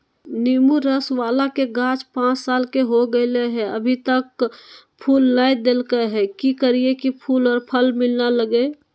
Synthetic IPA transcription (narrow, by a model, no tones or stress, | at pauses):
niːmuɾəsʋaːlakeɡãːt͡ʃpãːt͡ʃsaːlkeɦoɡəɪleɦɛ̃ə̰bʱit̪ək | pʰuːlnajd̪eːlkeɦɛkikəɾiekipʰuːlɔːɾpʰəlmɪlnaləɡe